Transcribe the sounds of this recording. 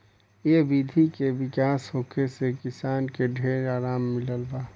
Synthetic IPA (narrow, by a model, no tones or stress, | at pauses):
jebid̪ʱikeʋɪkaːshoːkʰesekɪsaːnkeɖʱeːɾaːɾaːmːɪləlbaː